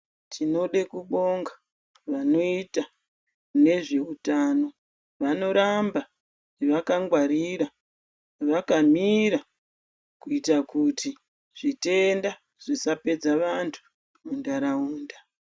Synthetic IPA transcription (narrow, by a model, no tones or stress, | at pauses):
tino̞ɗekuɓo̞ŋɡa | ʋano̞ita | kune̞ʐe̞utaːno̞ | ʋano̞ɾamba | iʋakaŋɡwaɾiɾa | ʋakamiɾa | kuitakuti | ʐ̥ite̞nda | ʐ̥isape̞d͡zaʋantʰu̥ | mundaɾauːnda